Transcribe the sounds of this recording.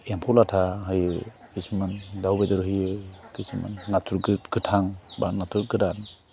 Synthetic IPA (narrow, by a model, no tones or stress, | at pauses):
empʰulatʰaɦɯjɯ | kɯsɯmandawbedɯɾɦɯjɯkɯsuma̰nːatʰuɾɡɡ̥ɯtʰaŋba̰nːatʰuɾɡɯɾan